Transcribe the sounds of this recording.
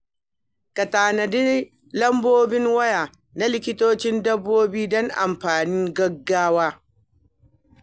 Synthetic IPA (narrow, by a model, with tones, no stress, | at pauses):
kɐ˨taː˨nɐ˨dɪ˦ | lɐ˦mboː˦bɪ˦ŋwɐ˦jaː˨ | na˦lɪ˦kʲɪ˦toː˦t͡ʃɪ˦ndɐ˦bːoː˦biː˦dɔ˦ŋʔa̰˨mɸaː˨nɪ˦ŋɡɐ˦ɡːaː˦waː˦